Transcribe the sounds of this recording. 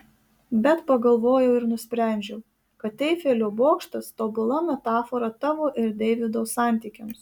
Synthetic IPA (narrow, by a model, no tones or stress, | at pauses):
bʲɛt̪pɐɡɐlˠʋoːjɛʊɪɾnʊsʲpʲɾʲɛˑnʲd͡ʒʲɛʊ | kɐt̪tʲɛɪfʲeːlʲoːboːkʃt̪ɐst̪oːbʊlˠɐmʲɛt̪ɑːfɔɾɐt̪ɑʋoːʔɪɾd̪ʲɛːʋʲɪd̪oːsɑˑnʲt̪ʲiːkʲɛms